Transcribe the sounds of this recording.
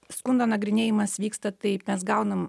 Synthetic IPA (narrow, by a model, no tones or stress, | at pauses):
skʊnd̪oːnɐɡɾʲɪnʲeːjɪmɐsʋʲiːkst̪ɐt̪ɐɪmʲɛsɡɐʊnɐm